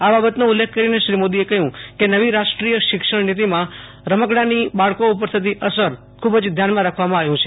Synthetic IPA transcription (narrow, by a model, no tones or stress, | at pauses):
ababət̪nũulːekʰkəɾineʃɾimod̪iekəɦjũkenəʋiɾaʃʈɾijəʃɪkʂəɽnit̪̬imã | ɾəməɡɽanibaɭkoup̬əɾst̪ʰit̪̬iʔəsəɾ | kʰubd͡ʒd̪ʱjanmãɾakʰʋamãaʋjũt͡ʃʰe